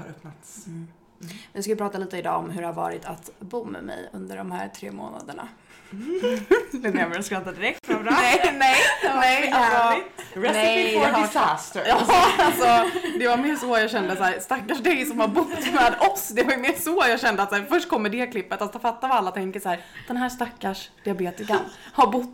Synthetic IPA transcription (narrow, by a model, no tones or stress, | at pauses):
ha̰ɾɵpnat̪s | vɪskajəpʰɾɑːt̪aliːt̪əɪd̪ɑ̰ːɔmɦɵɾɛhaɾvɑ̰ːɾɪt̪ʰat̪bumːɛ̰mɛ̰jɵ̰nd̪ə̰ɖɔmhæ̰ːɾt̪ʰɾḛːmo̰ːna̰d̪əɳa̰ | lɪɛmɛɛskɑt̪ːad̪ɪɾɛk̚t̪fɾɛnɛjnnɛjalsɔɾɛɪsæst̪əjɑːalsɔd̪ɛvaɾmeːʂɔjɑːɡɕɛnd̪əsæːɾst̪akːaʂd̪ɛjsɔmhaɾbʊt̪ːmɛːd̪ɔsd̪ɛvajʏmeːsɔjɑːɡɕɛnd̪əat̪sæːɾfœʂʈ̚kʰɔmːəɖɛkʰlɪpːət̪asɔfat̪ːavaalːat̪ʰɛŋkəʂæːɾd̪̥ɛnɦæːʂt̪akːaʂd̪̥ɪabeːt̪ɪska | haɾbʊt̪ː